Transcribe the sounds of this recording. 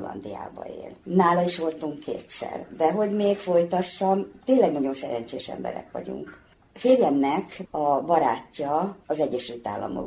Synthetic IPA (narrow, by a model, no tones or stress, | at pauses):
lɒ̰nd̪ija̰ːbɒ̰ḛːlnaːlɒiʃʋo̞lt̪uŋkʰːḛːt̪sɛ̰rd̪ɛɦo̞ɟmeːkfo̞jt̪ɒsːɒmt̪eːnlɛɡnɒɟo̞nsɛɾɛɲt͡ʃeːʃɛ̰mbɛ̰ɾɛ̰kʋɒ̰ɟṵŋk | feːrjɛmnɛkɒbɒɾaːcːɒːzɛɟːɛʃylt̪a̰ːlːɒ̰mo̰